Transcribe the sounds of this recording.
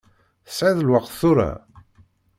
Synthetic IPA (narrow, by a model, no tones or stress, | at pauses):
θəsʕiðəlwaqθʊɾa̰